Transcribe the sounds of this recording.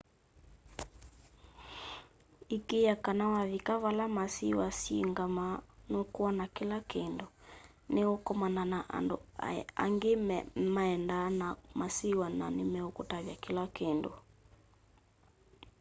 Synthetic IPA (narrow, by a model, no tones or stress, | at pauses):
ikejakanawavikaβalamasiwasiiŋɡamanokuanakilakendo | neokɔmananaʔa̰ndoa̰ŋɡemmaɛndanamasiwana̰nemɛokutaβjakilakendo̰